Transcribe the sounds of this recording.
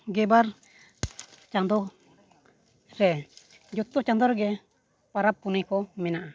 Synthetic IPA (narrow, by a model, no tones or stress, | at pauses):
ɡɛbaɾ | t͡ʃand̪ɔ | ɾɛ | d͡ʒɔt̪ːɔt͡ʃand̪ɔɾɛɡɛ | paɾapːunijkɔmɛnaʔa